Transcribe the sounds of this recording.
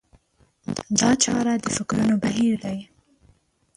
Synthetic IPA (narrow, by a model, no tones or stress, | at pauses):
d̪ɑt͡ʃɑɾad̪əfɪkɾunobaɦiɾd̪aj